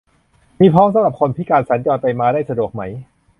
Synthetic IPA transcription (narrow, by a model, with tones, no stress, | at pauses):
miː˧pʰɔː˦˥ŋs̬a˨˦ɾa˨˩p̚kʰo˧nt̪ʰiː˥˩kaː˧nsa˨˩˦nt͡ɕɔː˧np̪a˧jmaː˧daː˥˩jsa˧du˨˩ək̚ma˩˦˥j